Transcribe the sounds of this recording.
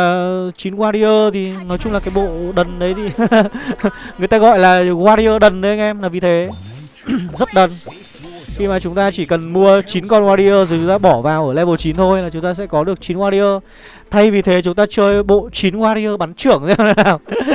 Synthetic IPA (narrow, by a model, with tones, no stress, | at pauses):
t͡ɕi˨˦nɣwaː˧ɾi˧ʔəː˧t̪ʰi˨˩nɔ˨˦jt͡ɕʊ˧ŋ͡mlaː˨˩kaː˨˦jɓo̰˧˨ɗə˨˩nɗə˨˦jt̪ʰi˨˩ | ŋɨ˨˩əjt̪aː˧ɣɔ̰˧˨jlaː˨˩ɣwaː˧ɾi˧ʔəː˧ɗə˨˩nɗə˨˦˧ŋʔɛ˧mlaː˨˩vi˨˩t̪ʰe˨˦ | zə˦˥t̚ɗə˨˩n | xi˧maː˨˩t͡ɕʊ˨˦ŋ͡mt̪aː˧t͡ɕi˧˩kə˨˩nmu˧ət͡ɕi˨˦nkɔ˧nwaː˧ɾi˧ʔəː˧zo˨˩jt͡ɕʊ˨˦ŋ͡mt̪aː˧ɓɔ˧˩vaː˨˩wʔəː˧˩lɛ˧ɓo˨˩t͡ɕi˨˦nt̪ʰo˧jlaː˨˩t͡ɕʊ˨˦ŋ͡mt̪aː˧sɛ̰˧˥kɔ˨˦ɗɨ˨˩ək̚t͡ɕi˨˦nɣwaː˧ɾi˧ʔəː˧ | t̪ʰa˧jvi˨˩t̪ʰe˨˦t͡ɕʊ˨˦ŋ͡mt̪aː˧t͡ɕəː˧jɓo̰˧˨t͡ɕi˨˦nɣwaː˧ɾi˧ʔəː˧ɓa˨˦nt͡ɕɨ˧˩əŋt̪e˧˦˧naː˨˩w